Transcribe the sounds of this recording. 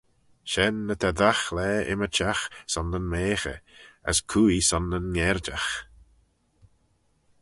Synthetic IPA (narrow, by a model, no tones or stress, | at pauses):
ʃɛnːət̪ʰaðaxlɛːɪ̰mət͡ʃʰaxsɔnːənmeːxə̰ə̰skʰuːisɔnənŋɛɾd͡ʒax